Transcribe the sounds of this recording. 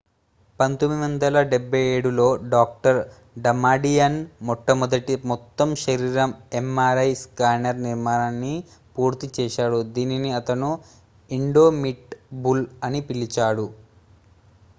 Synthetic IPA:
pɐnt̪omːiʋɐnd̪ɐlɐɖebːɐjeːɽulo̞ːɖaːk̚ʈɐɾ | ɖɐmaːɖijɐnmɔʈːɐmɔd̪ɐʈimɔt̪ːɐmʃɐɾiːɾɐmemːaːɾɐjskaːnɐɾniɾmaːnanːi | puːɾt̪it͡ʃɛːʃaːɽud̪iːniniɐt̪ɐnu | iɳɖoːmiʈbulɐnipilit͡ʃaːɽu

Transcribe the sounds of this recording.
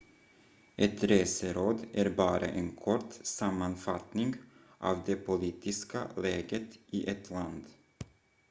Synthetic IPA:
ʔɛt̪ɾeːsəɾoːd̪ʔæɾbɑːɾʔa̰ʔeːnkʰɔʈsamːanfat̪nɪŋɡ | ʔɑvd̪ɛpʰʊliːt̪ʰɪska̰lɛːɡət̪ʔiʔɛt̪ʰland̪

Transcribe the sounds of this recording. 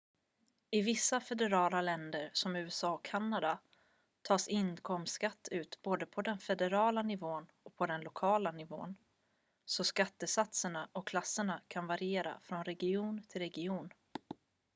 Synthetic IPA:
ɪvɪsːafɛd̪ɛɾɑːlalɛnd̪əɾsɔmʉ̟ːɛsɑːɔkʰːanːad̪a | t̪ʰɑːsɪnkʰɔmkat̪ʰːʉ̟ːt̪boːd̪əpʰɔd̪ɛnfɛd̪ɛɾɑːlanɪvoːnɔk̚pʰɔd̪ɛnlʊkʰɑːlanɪvo̰ːn | sɔskat̪ːəsat̪səɳaʔɔkʰlasːəɳakʰanvaɾɪeːɾa̰fɾɔnɾɛɡɪuːnt̪ʰɪlɾɛɡɪuːn

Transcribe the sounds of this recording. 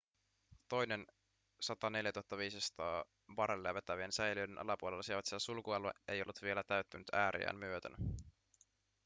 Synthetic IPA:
t̪o̞jne̞n | sɑt̪ɑne̞ljæt̪uhɑt̪ːɑʋiːsisɑ̥t̪ɑː | ʋɑɾelːeʋet̪ːæʋiensæjliøjdenʔɑ̰lɑpuolelːɑsieʋɑt̪siæsulkuɑluḛʔe̞̰jo̞lːut̪ʋie̞læt̪æɥt̪ːynyt̪ʰæːɾḭæ̰ːnmyøt̪øn

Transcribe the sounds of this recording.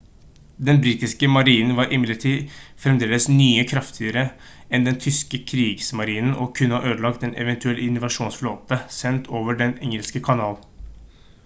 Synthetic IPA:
d̪ɛnbɾiːt̪ɪskəmɑɾiːnn̩ʋɑːɾʔɪmɪlːəʈʰiːfɾɛmd̪eːləsnyːəkʰɾɑft̪ʰɪəɾə | ɛnd̪ɛnt̪ʰʏskəkʰɾiːɡsmɑɾiːnn̩ʔɔkʰʉnːəhɑʔøːd̪əlɑkt̪ɛnʔɛ̰ʋɛnt̪ʉɛlʔəɪnːʊʋɑʂuːnsfloːt̪əsɛnt̪ʰoːʋəɖɛnɛŋəlskəkʰɑnɑːl

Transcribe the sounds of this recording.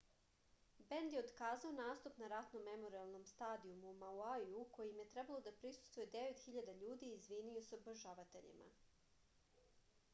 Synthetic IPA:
bend̪jeod̪kaːzaonaːst̪upnaɾat̪no̞mːemo̞ɾialˠno̞mst̪aːd̪iumuːmauajuuko̞jimje̞t̪ɾebalˠo̞d̪apɾisu̥st̪ʋujed̪e̞ʋet̪xiʎad̪aʎuːd̪iizʋiniosoboʒaʋat̪eʎḭma̰

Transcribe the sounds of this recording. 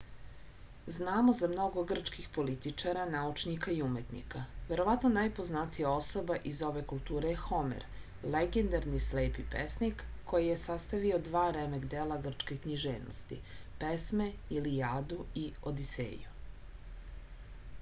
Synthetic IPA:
znaːmozamno̞ɡo̞ɡr̩t͡ʂkixpo̞lit̪it͡ʂaɾanaut͡ʃnikaiume̞t̪nḭkaʋe̞ɾo̞ʋat̪nonajpoznat̪ijao̞so̞baʔizo̞ʋe̞kulˠt̪uːɾejxo̞mḛɾ | leɡend̪aɾnislejpipḛsnikːo̞jije̞sast̪aʋio̞d̪ʋaːɾemeɡd̪eːlˠaɡr̩t͡ʃkekɲiʒeːʋno̰st̪ḭpesmeilijaːd̪uiod̪isḛːju

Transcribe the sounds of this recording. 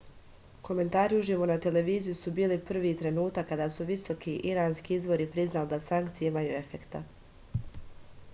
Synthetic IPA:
ko̞me̞nt̪aːɾiuʒiʋonat̪e̞le̞ʋiːzijusubiːlipr̩ʋiːt̪ɾe̞nuːt̪akːad̪aːsuʋiso̞kʰiʔiɾaːnskiizbo̞ɾipɾiznalid̪asaŋkt̪sijeimajṵe̞fe̞kt̪a̰

